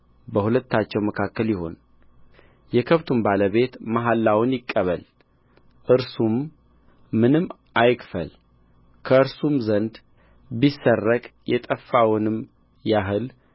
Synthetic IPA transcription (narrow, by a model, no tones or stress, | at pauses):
bəhulət̪ːat͡ʃːɛwməkʰakːəljɪho̞n | jɛkʰəβt̪ʰumbaləβe̞t̪maɦalːawnjɪkʼːəβəl | ʔɨɾsumː | ɨnɨmː | ʔajkfə̰l | kʰəɨɾsumzənd̪ | bisːərːəkʼjʔɛt̪ʼəfːawnɨm | jaɦɨl